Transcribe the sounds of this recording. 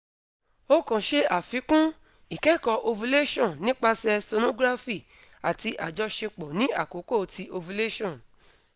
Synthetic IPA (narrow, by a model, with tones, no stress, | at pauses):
o˦kã˨ʃe˧a˨fi˨˦kũ˦ | i˨kɛ˨˦˨kɔ˧ʔo˧vu˧le˦ʃɔ̃˦˨nĩ˦k͡pa˧sɛ˧so˧nõ˦ɡɾa˦fi˦˨ | a˨ti˧ʔa˨d͡ʒɔ˨˧ʃe˧k͡pɔ˨nĩ˨˦a̰˦˨ko˨˦ko˦˨ti˧ʔo˧vu˧le˦ʃɔ̃˦˨